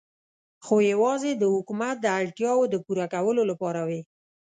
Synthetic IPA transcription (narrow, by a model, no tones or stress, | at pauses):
xojawɑzed̪əhʊkumat̪̚d̪əaɽʈjɑwod̪əpuɾakawəlolapɑɾawi